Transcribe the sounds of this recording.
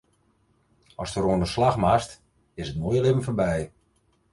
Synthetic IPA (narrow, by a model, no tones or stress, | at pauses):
ɔstəroəndəslaxmast | ɪsətmojəlɪmən̩fərbɛj